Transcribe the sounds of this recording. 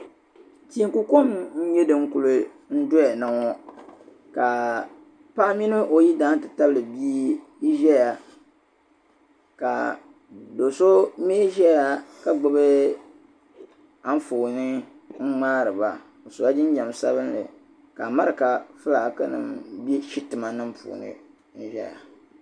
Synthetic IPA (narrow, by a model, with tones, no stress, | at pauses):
ti˨i˨˦ku˦ko˦mɲ̩˦ɲɛ˦dɨ˨ŋ̩˦ku˨lɨ˨ | n̩˦dʊ˦ja˨na˨ŋɔ˦ | ka˨ | pa˦mi˦nɨ˦ʔo˨ji˦daː˦n˦tɨ˨ta˦blɨ˨bi˦ | i˦ʒɛ˦ja˨ | ka˨ | do˨so˦meː˦ʒɛ˦ja˨ka˦ɡ͡bɨ˦bɨ˦ | a˦ɱ˦foː˨nɨ˦ | ŋ̩˦ŋ͡maː˦ɾɨ˨ba˨ | o˨sʊ˨a˦d͡ʒɪ˦n˦ɲɛ˨m˨sa̰˦βɨ˦nlɨ̰˨ | ka˨ma˦ɾɨ˨ka˨fɨ˦la˨ka˦nɨ̰˨mbi˦ʃi˦tɨ˨ma˨nɨ˦mpṵː˨nɨ̰˨ | n̩˦ʒɛ̰˦ja̰˨